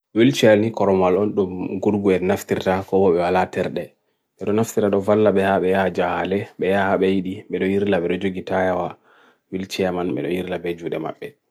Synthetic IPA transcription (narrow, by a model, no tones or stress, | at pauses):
wilt͡ʃɛnikɔɾɔmalɔnɗumɡuɾɡuɛnaftiɾtakɔwɔɓɛwalatɛɾɗɛ | ɓɛɗɔnaftiɾaɗɔvalːaɓɛhaɓɛjad͡ʒahalɛɓɛjahaɓɛjiɗiɓɛɗɔjiɾlaɓɛɗɔd͡ʒoɡitajawa | wilt͡ʃɛmanɓɛ̰ɗɔ̰jiɾlabɛd͡ʒuɗɛma̰ɓːɛ